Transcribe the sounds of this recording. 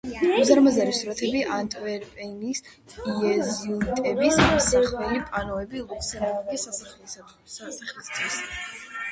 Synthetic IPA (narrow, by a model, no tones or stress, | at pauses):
uzaɾmazaɾisɾɔt̪ʰɛbiʔant̪ʼvɛɾpʼɛnis | iɛziut̪ʼɛbissɛχʰvɛlipʼanɔɛbilˠukʼsɛɾaɡʼisaal | aχlist̪ʰwis